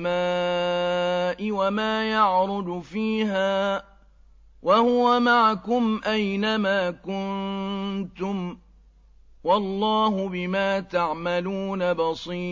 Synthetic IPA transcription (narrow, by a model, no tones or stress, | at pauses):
maː | ʔɪwamaːjɑʕɾʊd̪ʊfiːɦaː | wahʊwamaʕakʊmʔajnamaːkʊn | t̪ʊm | wɑlˤːɑːɦʊbɪmaːt̪aʕmaluːnabɑsˤiː